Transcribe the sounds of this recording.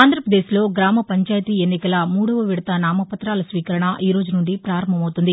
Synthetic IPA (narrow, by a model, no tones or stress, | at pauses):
aːnd̪ɾɐpɾɐd̪e̞ːsilo̞ːɡɾaːmɐpɐɲt͡ʃaːjt̪iːenːikɐlɐmuːɽɐʋɐʋiɽɐt̪ɐnaːmɐpɐt̪ɾaːlɐsʋiːkɐɾɐɳɐʔiːɾo̞ːd͡ʒunuɳɖipɾaːɾɐmbʱɐmɐwt̪und̪i